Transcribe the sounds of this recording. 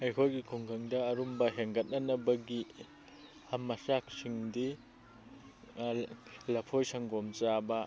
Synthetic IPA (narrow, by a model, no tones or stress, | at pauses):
ejkʰojɡikʰuŋɡaŋdɐːɾumbɐɦeŋɡɐt̚nɐnɐbɐɡi | hɐmɐsak̚siŋdi | lɐpʰojsɐŋɡomt͡ʃabɐ